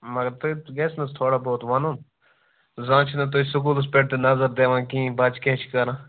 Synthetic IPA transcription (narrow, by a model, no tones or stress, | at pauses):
mɐɡɐɾt̪oɡeːsnɐst̪ʰoːɽaboːt̪ʋɐnoːn | zãːt͡ʃʰnɐt̪̬osʊk̬uːls̬peːʈ̚t̪enɐzəɾd̪eːʋãːkĩːbaːt͡ʃkeːt͡ʃʰi̥kɐɾãː